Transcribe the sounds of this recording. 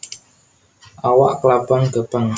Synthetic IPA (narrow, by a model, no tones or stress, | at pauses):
awaʔklapəŋkəpəŋ